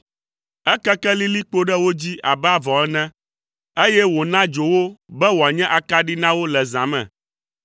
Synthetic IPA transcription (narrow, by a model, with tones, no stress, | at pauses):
ɛ˦kɛ˦kɛ˦li˦li˦k͡po˦ɖɛ˦wo˦d͡ʑi˦ʔa˨bɛ˦a˦vɔ̃˨ɛ˦nɛ̃˦ | e˦jɛ˦wo˨nã˦d͡ʒo˨wo˦bɛ˦wo˨a˨ɲɛ̃˦ʔa˨ka˦ɖi˦nã˦wo˦lɛ˨zã˨mɛ̰̃˨